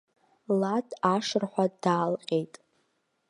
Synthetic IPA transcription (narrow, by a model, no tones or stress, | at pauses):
latʰaʂrħʷadaːlqʲʼejtʼ